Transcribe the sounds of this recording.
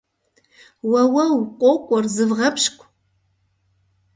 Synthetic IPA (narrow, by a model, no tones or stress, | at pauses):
wɐwɐwqʷʼowkʷʼɔrzɨvʁɐpʰʃkʷʼ